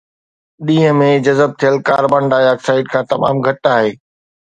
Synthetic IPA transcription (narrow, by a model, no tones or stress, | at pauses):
ɗĩːɦə̃mẽd͡ʑɐzəb̚t̪ʰijəlkaːɾbãɳɖaːaːksaːɪɖkʰãːt̪ɐma̰ːmɡʱɐt̪aːɦeː